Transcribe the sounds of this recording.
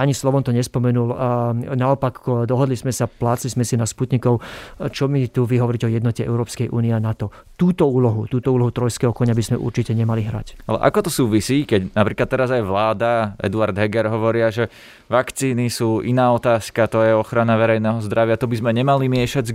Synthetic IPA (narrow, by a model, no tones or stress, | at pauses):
aɲislɔʋɔmt̪ɔɲɛspɔmɛnulnaɔpakd̪ɔɦɔd̪lizmɛsaplaːt͡slizmɛsinasput̪ɲikɔʊt͡ʃɔmit̪uʋiɦɔʋɔɾicɛɔjɛd̪nɔcɛɛ̰ʊɾɔːpskɛjʔṵːniɛanat̪ɔ | t̪uːt̪ɔuːlɔɦut̪uːt̪ɔuːlɔɦut̪ɾɔjskɛːɦɔkɔɲabizmɛʔṵɾt͡ʃicɛɲɛmaliɦɾa̰calɛ̰ʔa̰kɔt̪ɔsuːʋisiːkɛɟnapɾiːklat̪ːɛɾazajʋlaːd̪aɛ̰d̪uaɾd̪ɦɛɡɛɾɦɔʋɔɾɪaʒɛ | ʋakt͡siːnisuːʔinaːɔt̪aːskat̪ɔjɛɔxɾanaʋɛɾɛjnɛːɦɔzd̪ɾaʋɪat̪ɔbizmɛɲɛmalimɪɛʃaɟ